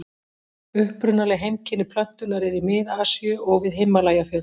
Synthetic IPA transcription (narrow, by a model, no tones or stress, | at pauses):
ʏhpɾʏnːalɛɦejmcɪnɪpʰlœn̥t̪ʏnaɾɪɾimɪðaːsjʏɔɣvɪðɦejmːalaːjafœː